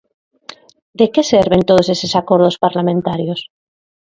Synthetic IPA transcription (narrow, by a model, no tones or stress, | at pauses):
d̪ekeseɾβent̪oð̞osesesakoɾð̞ospaɾlamẽnt̪aɾjos